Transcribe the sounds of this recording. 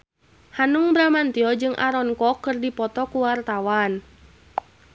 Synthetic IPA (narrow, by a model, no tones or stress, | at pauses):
hanuŋbɾamant̪iɔd͡ʒɨŋʔa̰ɾɔnkɔkːɨrdipɔt̪ɔkuwart̪awan